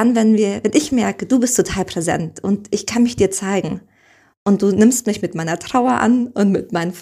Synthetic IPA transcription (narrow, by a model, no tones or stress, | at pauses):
anvɛnviːɐvɛnʔɪçmɛɐkəduːbɪstʰːotʰaːlpʁ̥ezɛ̰ntʔʊntʔɪçkʰanmɪçd̥iːɐt͡saɪɡŋ̩ | ʔʊnt̚d̥uːnɪmstmɪçmɪtmaɪnɐtʁ̥aʊɐʔa̰nʔʊntmɪtmaɪnəf